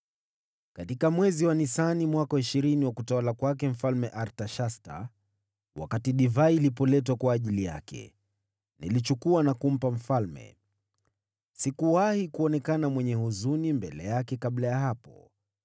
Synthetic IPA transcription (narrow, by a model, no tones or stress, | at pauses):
katikamwɛziwanisanimwakaiʃiɾiniwakutawalakwakɛm̩falmɛʔaɾtaʃasta̰ | wa̰katiɗivailipɔlɛt̬wakwaːʄilija̰kɛ̰ | nḭlit͡ʃukuanakum̩pam̩falmɛ̰ | sikuwahikuɔnɛkanamwɛɲɛhuzunimbɛlɛjakɛkaɓlajaɦapɔ